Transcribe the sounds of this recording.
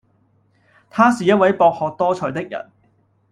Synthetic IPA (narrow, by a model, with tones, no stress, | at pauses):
t̪ʰaː˥siː˨˧jɐ˥t̚wɐ˨˥jpɔː˧k̚hɔː˨k̚t̪ɔː˥t͡ʃʰɵ˨˧jt̪ɪ˥k̚jɐ̰˨˩n